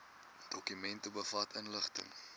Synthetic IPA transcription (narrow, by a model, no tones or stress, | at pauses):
d̥ɔkymɛntəbəfɐtʰənləχtə̰ŋ